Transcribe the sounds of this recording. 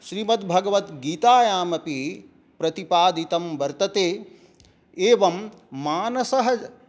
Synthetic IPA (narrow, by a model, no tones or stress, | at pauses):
ʃɾiːmɐt̪bʱɐɡɐʋɐt̪ɡiːt̪aːjaːmɐpi | pɾɐt̪ipaːd̪it̪ɐmʋɐɾt̪ɐt̪eː | eːʋɐmːaːnɐsɐɦɐ